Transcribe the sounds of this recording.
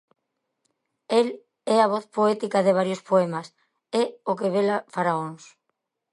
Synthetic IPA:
el | ɛaβ̞ɔθpoɛt̪ikɐðeβaɾjospoɛmɐs | ɛokeβelafaɾaons

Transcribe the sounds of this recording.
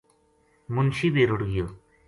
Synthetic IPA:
munʃibeɾuɽɡijo

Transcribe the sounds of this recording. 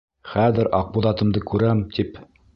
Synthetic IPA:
χæðɘɾʔɑq̚buðɑt̪ɤ̆md̪ɤkʉɾæmt̪ʰip

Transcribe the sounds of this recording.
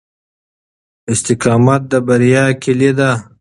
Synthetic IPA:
ɪst̪ɪqɑːmat̪̚d̪əbɐɾijɑːkʰilid̪a

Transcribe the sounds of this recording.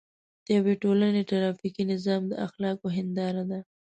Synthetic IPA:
d̪̥əjaweʈolaneʈaɾɑfikinɪzɑmd̪ə̰ʔaxlɑkoɦɪnd̪ɑɾad̪a

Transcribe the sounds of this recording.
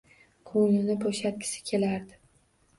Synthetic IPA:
kʰoŋɪnɪbʰoʃat̪̚kʲʰɪ̥sɪ̥kʲʰe̞laɾd̪ɪ

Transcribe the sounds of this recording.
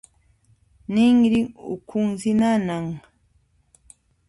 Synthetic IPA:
nɪŋɾɪŋʊ̰kʰʊŋsɪnanaŋ

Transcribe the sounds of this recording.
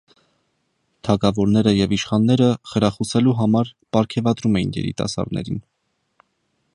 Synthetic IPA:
t̪ʰɑkɑvɔɾnɛɾəjɛviʃχɑnːɛɾəχəɾɑχusɛluɦɑmɑɾpɑɾkʰɛvɑd̪ɾumɛjinjɛ̰ɾḭt̪ɑ̰sɑ̰ɾd̪nɛ̰ɾin

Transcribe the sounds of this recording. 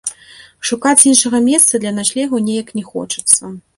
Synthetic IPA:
ʂukat͡sʲinʂɐɣɐmʲɛst̪sɐd̪lʲɐnaʂlʲɛɣɐnʲejɐknʲɛxɔ̰t͡ʂɐ̥t̪sːɐ

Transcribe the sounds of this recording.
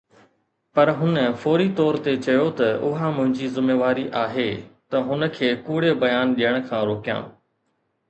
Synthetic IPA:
pɐɾɦʊnəfoːɾit̪ɔːɾt̪et͡ɕɐjot̪ɐʊɦãmʊ̃ɦɪ̃ɲd͡ʑizɪmeːʋaːɾiʔaːɦeːt̪ɐɦʊnə̆kʰeːkuːɽebɐjaːnɗijəɽ̃̆kʰãːɾoːkijã̰ː

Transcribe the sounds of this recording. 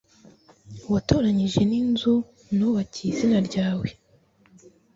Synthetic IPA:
watoːɾaɲiʒe̞ninzu | nuβacizinaɾɟaːwe

